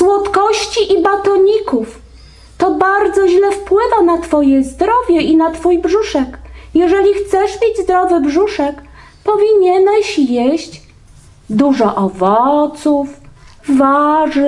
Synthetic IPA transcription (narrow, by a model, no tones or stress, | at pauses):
swɔt̪kɔɕt͡ɕiʔibat̪ɔɲikuf | t̪ɔbaɾd̪zɔʑlɛfpwɘvanat̪fɔjɛzd̪ɾɔvʲjɛʔinat̪fujbʐuʂɛkjɛʐɛlʲixt̪sɛʂmʲed͡ʑzd̪ɾɔvɘbʐuʂɛk | pɔvʲiɲɛnɛɕjeɕt͡ɕ | d̪uʐɔʔɔvɔt̪sufvaʐɘ